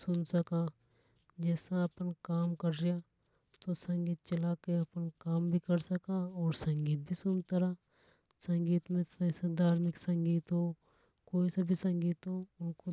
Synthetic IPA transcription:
sʊnsɐka | d͡ʒɛːsaɐpənkaːmkɐɾɾija | t̪osɐ̃ŋɡiːt̪̚t͡ʃɐlaːkeɐpənkaːmbʱikɐɾsɐkaɔːɾsɐ̃ŋɡiːt̪̚bʱisʊnt̪ɐɾa | sɐ̃ŋɡiːt̪mẽsɐsad̪ʱaːɾmɪksɐ̃ŋɡiːt̪ɦo | koːisabʱisɐ̃ŋɡiːt̪ɦoʊnko

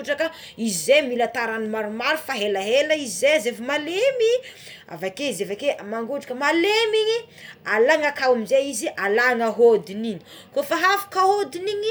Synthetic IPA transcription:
uʈ͡ʂakə | izemilat̪aɾanimaɾumaɾufaɦelaɦeləizezefimalemi | a̰vakeizevakemaŋɡuʈ͡ʂḁkəmalemiɲi | alaŋakawamizeiziʔalaŋəɦod̪inini̥ | kofaɦafḁkaɦod̪iniɲi

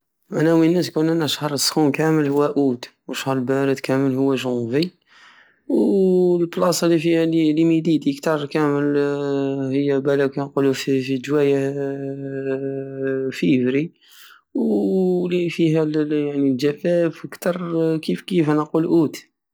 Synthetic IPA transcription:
ʔænæwinːæskʊnænæʃhəɾˤəsˤxukæməlhʊwːæʔut̪wəʃhəɾˤəlbæɾəd̪kæməlhʊwːæʒũvi | wlblɑsˤɑlifihælilimid̪id̪iəkt̪ɑrˤkæməl | həjːæbælækænqulufifid͡ʒwæjæ | fəvɾi | wlifiɦæljaʕnild͡ʒæfæfkt̪ɑrˤkifkifænɑqulʔut̪

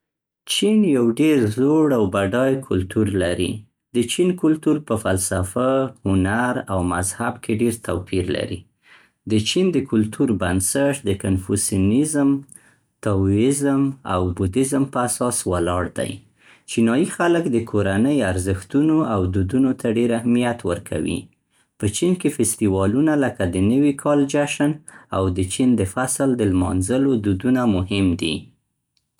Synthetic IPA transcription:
t͡ʃinjawɖeɾzoɽawbaɖɑjkʰʊlt̪uɾlaɾḭ | d̪ət͡ʃinkʊlt̪uɾpəfalsafahʊnaɾawmazhabkʰeɖeɾt̪awpiɾla̰ɾḭ | d̪ət͡ʃind̪əkʰʊlt̪ʰuɾbansəʈd̪əkanfusjunizm | t̪awɪzma̰wbud̪ɪzmpəasɑswalɑɽd̪a̰j | t͡ʃinɑjixaləkd̪əkʰoɾanəjaɾzəxt̪unoawd̪ud̪unot̪ʰaɖeɾahmijat̪wəɾkʰa̰wḭ | pət͡ʃinkefɪst̪iwɑlunaləkad̪ənəwikʰɑld͡ʒaʃənawd̪ət͡ʃind̪əfasld̪əlmɑ̰nzəlod̪ud̪unamʊɦɪmd̪i

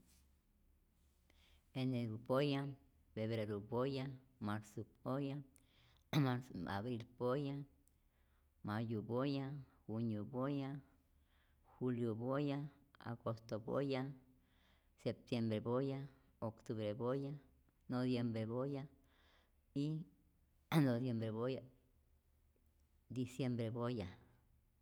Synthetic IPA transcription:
eneɡupoja | feβɾeɾubojamaɾsup̚oja | maɾa̰bɾilboja | majubojaxunjoboja | xuljobojaa̰ɡost̪obo̰ja | sep̚t̪jembɾeboja | okt̪uβɾeboja | noβjembɾeboja | i | nodjembɾeboja | d̪isjembɾeboja

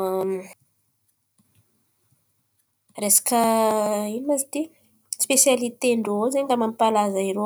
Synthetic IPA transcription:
resḁkəinimazit̪i | spesjalit̪eɳɖ͡ʐoozeɲɡamampalazaiɾo

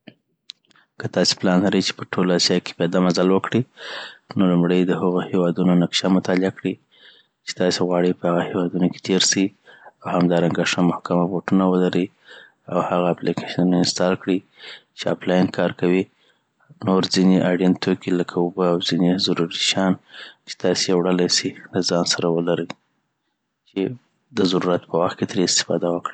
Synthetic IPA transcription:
kət̪ɑse̥plɑnlaɾəjt͡ʃe̥pəʈʰolaasijɑke̥bad̪amazalwəkɽi | nolumɽəjd̪əhəɣohewɑd̪unonakʃamʊt̪ɑlɪakɽi | t͡ʃe̥t̪ɑseɣwɑɽipəhaɣahewɑd̪unoke̥t̪ʰeɾsiawhamd̪ɑɾaŋɡaʂamʊhkamaboʈunawəlaɾi | awhaɣaːplikʰeʃunɪnst̪ɑlkɽi | t͡ʃea̰plɑjnkʰɑɾkawi | noɾzineʔaɽint̪okiləkʰaobəawzinezaɾuɾiʃjɑnt͡ʃe̥t̪ɑsejawɽəlajsilazɑnsaɾawəlaɾəj | t͡ʃe | d̪əzaɾuɾat̪̚pəwaxt̪̚ket̪ɾeɪst̪ɪ̥fɑ̰d̪awəkɽi

